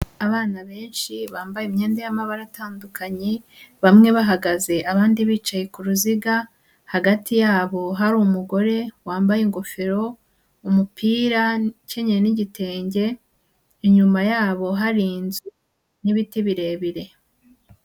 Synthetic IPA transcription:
aβaːnaβe̞ːnʃiβaːmbajimɲe̞ːnde̞jamaβaɾataːndukaɲe | βamŋe̞βaɦaɡaze̞ʔaβaːndiβiːt͡ʃaje̞kuɾuziɡa | haɡatijaːβo̞ɦaɾuːmuɡo̞ɾe̞waːmbajeŋɡo̞feɾo̞ | umupʰiːɾace̞ɲeɾeniɟite̞ːɲɟe̞ | iɲumajaːβo̞ɦaɾiːnzu | niβitiβiɾe̞ːβiɾe̞

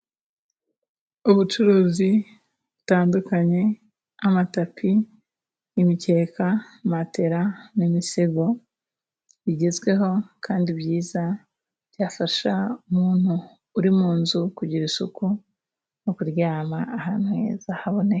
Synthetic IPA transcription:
uβut͡ʃuɾuːzi | βutaːndukaɲe̞ | amatapʰi | imice̞ːkamate̞ɾanimiseɡo̞ | βiɟe̞zɡwe̞ɦo̞kʰaːndiβjiːza | β̥jaːfaʃaumuːn̥huː | ɾimuːnzukuɟiɾisuku | nokuɾjaːmaahanwe̞̰zahaβo̞ne

